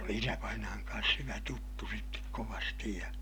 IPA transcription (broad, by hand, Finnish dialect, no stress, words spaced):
oli isæʋɑinɑːŋ kɑːns hyʋæ tutːu sitːek koʋɑstij jɑ